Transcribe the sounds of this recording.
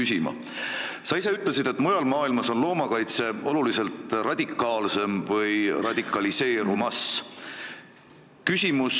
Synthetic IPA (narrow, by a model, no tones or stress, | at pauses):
ysʲimɑ̰ | sɑis̬eyt̪ˑlesid̪̥e̞t̪ːˑmujɑlmɑːilmɑso̞nlo̞ːmɑkɑjt̪se̞o̞lulise̞lt̪rɑd̪̥ʲikːˑɑːlse̞mvɤjrɑd̪̥ʲikːˑɑlise̞ːɾumɑs | kysʲimus